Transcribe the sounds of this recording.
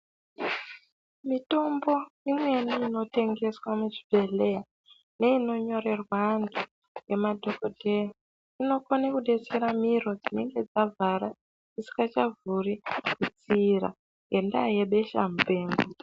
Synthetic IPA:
mito̞mbo̞imwe̞niːno̞te̞ŋɡe̞swamut͡ʃivʱe̞ɮea | ne̞ino̞ɲo̞re̞rwandʰu | je̞madʱo̞kodʱe̞ra | ino̞konekuɗeseɾamiro̞d͡zine̞ŋɡe̞d͡zavʱaɾa | d͡zisi̥kat͡ʃavʱurikut͡siɾa̰ | ŋɡe̞ndaje̞ɓe̞ʃa̰mbe̞ːŋɡu

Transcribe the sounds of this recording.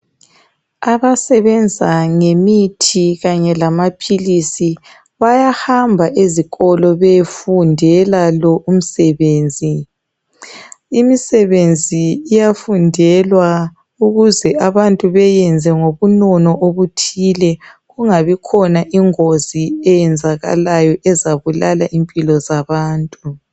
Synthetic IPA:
aβasɛβɛnd͡zʱaŋemitʰiɣaɲɛlamapʰilisi | βajahambʱaʔeziɣɔlɔβefundʱɛlalɔʔum̩sɛβeːnd͡zʱi | imisɛβend͡zʱiːjafundʱɛlwa | uɣuzɛaβantʼuβɛjɛnd͡zʱɛŋoβunɔnɔʔoβutʰilɛɣuŋaβikʰɔnaʔiŋoz̥iɛjɛnd͡zʱaɣa̰lajɔʔɛzaβulalaʔimpʼilɔzaβaːntʼu

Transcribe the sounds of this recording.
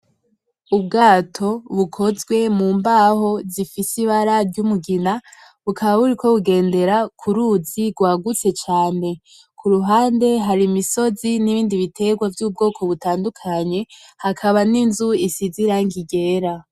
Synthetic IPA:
ubɡaːtʰo̞βukʰo̞zɡwe̞muːmbaho̞zifisiβaɾaɾɟumuɡina | βukʰaβaβuɾikʰo̞βuɡe̞ːnde̞ɾakʰuɾuziɡwaːɡut͡se̞t͡ʃaːne̞ | kʰuɾuɦaːnde̞ɦaɾimiso̞ziniβiːndiβitʰe̞ɡwavjub̚ɡo̞ːkʰo̞βutaːndukʰaɲe̞hakʰaβaninzuisiziɾaŋɡiɡe̞ːɾa

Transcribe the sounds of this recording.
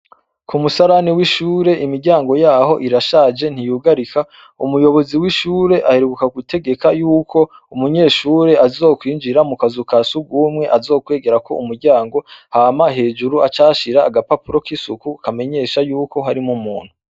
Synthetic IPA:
kʰumusaɾaniwiʃuːɾe̞ʔimiɾɟaːŋɡo̞jaːho̞ʔiɾaʃaːd͡ʒe̞n̥hijuːɡaɾikʰa | umujo̞βo̞ziwiʃuːɾe̞ʔaheɾuɡukaɡute̞ɡe̞kajuːkʰo̞ | umuɲe̞ːʃuːɾe̞azo̞ːkwiːnd͡ʒiɾamukazukasuɡuːmŋe̞ʔazo̞ːkwe̞ːɡe̞ɾako̞̰ʔumuɾɟaːŋɡo̞hamaɦe̞ːd͡ʒuɾuat͡ʃaːʃiɾaːɡapapuɾo̞kisukukame̞ɲe̞ːʃajuːko̞ɦaɾimumṵːn̥hu

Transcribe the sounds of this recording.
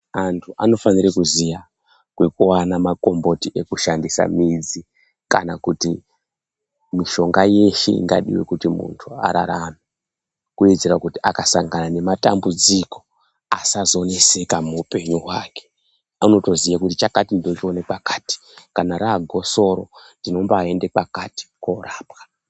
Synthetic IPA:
antʰuʔa̰no̞fanirekuzija | kwe̞kuwanamako̞mbo̞tiʔe̞kuʃandisa̰mid͡zi | kanakuti | miʃo̞ŋɡaje̞ʃḛḭŋɡa̰ɗḭwe̞̰kutimṵntʰua̰ɾaɾame | kued͡zerakutiʔakasaŋɡanane̞mata̰mbud͡ziko̞ | asazone̞se̞kamuupe̞ɲuɦwaːke̥ | ano̞to̞zijakutit͡ʃakatindo̞t͡ʃo̞nepakḁti̥ | kanaɾaːɡʱo̞so̞ɾo̞̰ndino̞mbae̞nde̞pakati̥koɾaːpkḁ

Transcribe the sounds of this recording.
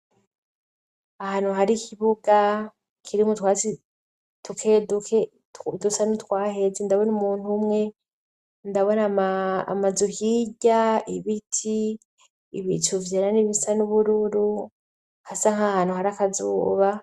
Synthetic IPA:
ahaːn̥huɦaɾikʰiβuɡa | kʰiɾimutwaːt͡si | tʰukʰeduke | dusanutwaːhe̞zendaβonumuːn̥humŋe̞ | ndaβo̞nama̰ːmazuhiɟaiβitʰiː | βḭtʰuvjananiβisanuβuɾuɾu | hasaŋhahaːnuhaɾakazṵːβa

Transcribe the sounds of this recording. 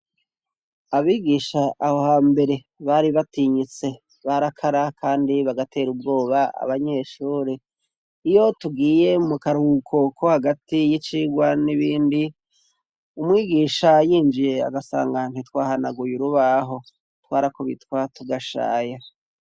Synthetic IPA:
aβiːɡiːʃaʔːho̞haːmbe̞ɾe̞ | βaɾiβatiɲit͡se̞ | βaɾakʰaɾakʰaːndiβaɡatʰe̞ːɾub̚ɡo̞ːβaa̰βaɲe̞ʃuːɾiː | jo̞tuɡiːje̞mukaɾukʰo̞kʰo̞haɡatijit͡ʃiɡwaniβiːndi | umŋiːɡiːʃajiːnd͡ʒije̞a̰ɡasa̰ːŋɡaŋ̥itwaːhanaɡujuɾuβaɦo̞ | twaːɾakoβḭtwatuɡaʃa̰ːja

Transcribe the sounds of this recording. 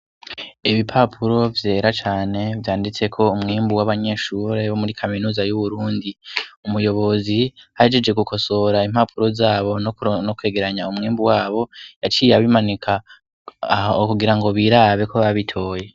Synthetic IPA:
iβipʰapʰuɾo̞vje̞ːɾat͡ʃaːne̞vjaːndit͡se̞kʰo̞umŋiːmbuwaβaɲe̞ːʃuɾe̞βomuɾikʰaminuːzajuβuɾuːndiumujo̞βo̞zihaed͡ʒe̞d͡ʒɡe̞ɡukʰo̞so̞ɾaim̥hapʰuɾo̞zaːβo̞nnokwe̞ːɡe̞ɾaɲaumŋiːmbuwaːβo̞jat͡ʃiːjaβimanikʰa | kuɡiɾaŋɡo̞βiɾaβe̞kʰoβaβitʰo̞ːje

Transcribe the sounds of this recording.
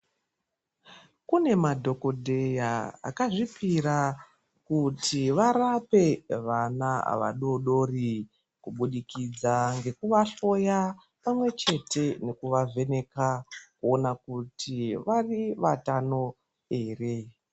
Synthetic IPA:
kune̞madʱo̞ko̞dʱe̞jaa̰kaʐipiɾa | kutʰiʋaɾape̞ʋanaa̰ʋa̰ɗo̞ɗo̞ri | kuɓuɗikid͡zaŋɡe̞kuʋaɬo̞ja | pamwe̞t͡ʃe̞te̞ne̞kuʋavʱe̞ne̞kakuonakutʰiʋariʋatano̞ | e̞ːre̞

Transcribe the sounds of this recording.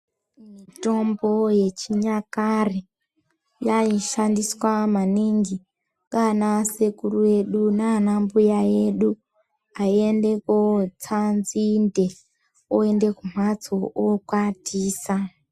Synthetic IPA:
mito̞mbo̞je̞t͡ʃiɲakare | jaiʃandiswamaniŋɡi | kanasekuruje̞ɗunanambujaje̞ɗu | aie̞nde̞kot͡sanzinde̞ | oe̞nde̞kum̥̤at͡sookwatiːsa

